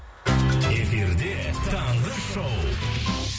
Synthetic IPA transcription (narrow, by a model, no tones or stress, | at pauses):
efiɾd̪et̪ʰɑɴʁəʃow